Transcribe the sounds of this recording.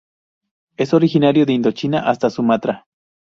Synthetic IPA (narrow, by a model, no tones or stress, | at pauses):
esoɾixinaɾjoðeind̪ot͡ʃinaʔast̪asumat̪ɾa